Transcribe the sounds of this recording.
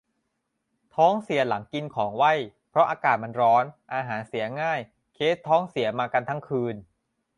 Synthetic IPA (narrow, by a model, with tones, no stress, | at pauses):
t̪ʰɔː˦˥ŋsi˩˦ɐla˩˦ŋki˧nkʰɔː˩˦ŋwa˥˩jpʰɾɔ˦˥ʔaː˧kaː˨˩t̪̚ma˧nɾɔː˦˥nʔaː˧ɦaː˩˦nsi˩˦ɐŋaː˥˩j | kʰeː˦˥t̪ʰːɔː˦˥ŋsi˩˦ɐmaː˧ka˧nt̪ʰa˦˥ŋkʰɯː˧n